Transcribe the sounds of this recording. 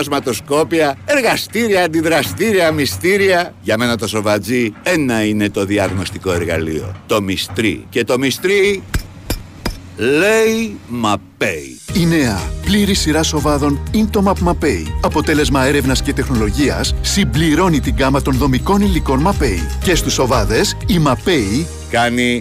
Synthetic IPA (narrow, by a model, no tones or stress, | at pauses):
ɐzmɐt̪o̞sko̞piɐeɾɣɐst̪iɾiɐːnd̪iðɾɐst̪iɾiɐmist̪iɾiɐʝɐme̞nɐt̪oso̞vɐd͡zienɐine̞t̪o̞ðiɐɣno̞st̪iko̞e̞ɾɣɐ̰lḭo̞̰t̪o̞mist̪ɾḭce̞t̪o̞mist̪ɾi | leimɐpeḭ | ine̞ɐpliɾisiɾɐso̞vɐðo̞nint̪o̞mɐpmɐpe̞ḭɐpo̞t̪e̞le̞zmɐe̞ɾe̞vnɐsce̞t̪e̞xno̞lo̞ʝiɐ̰sːimbliɾo̞nit̪iŋɡɐmɐt̪o̞nðo̞miko̞niliko̞nmɐpe̞ḭce̞st̪usovɐðe̞simɐpe̞i | kɐni